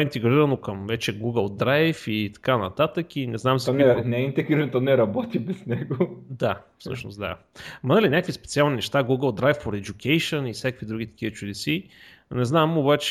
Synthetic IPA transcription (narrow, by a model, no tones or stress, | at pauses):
int̪ɛɡɾiɾɐnokəmvɛt͡ʃɛɡuɡəlˠd̪ɾajfit̪ɐ̥kanɐt̪at̪əkinɛznamzɔnɛnɛɛint̪ɛɡɾiɾɐnt̪ɔnɛɾɐbɔt̪ibɛsnɛɡod̪afsɤ̰ʃno̰sd̪a̰ | mɐnəlinʲakəvispɛt̪sialˠninɛʃt̪aɡuɡəlˠd̪ɾajfːoɾɛd͡ʒukʰɛjʃənifsʲjakəkvid̪ɾuɡʲit̪ɐ̥kʲiət͡ʃud̪ɛsi | nɛznamobat͡ʃ